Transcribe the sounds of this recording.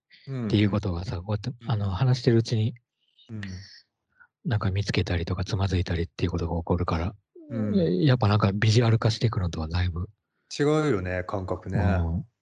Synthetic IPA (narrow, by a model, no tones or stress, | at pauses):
t̪ːe̞jɯ̟ːko̞t̪o̞ɡasako̞ːjat̪ːeano̞hanaɕi̥t̪e̞ɾɯ̟ɯ̟t͡ɕiɲ̟i | nãŋkamʲit͡sɨ̥ke̞t̪aɾʲit̪o̞kat͡sɨmazɨit̪aɾʲit̪ːe̞iɯ̟ko̞t̪o̞ɡaoko̞ɾɯ̟kaɾa | japːanãŋkabʲiʑiaɾɯ̟kaɕi̥t̪ekɯ̟not̪o̞ad̪aibɯ̟ | t͡ɕiɡaɯ̟jo̞nekʰãŋkakɯ̟nẽ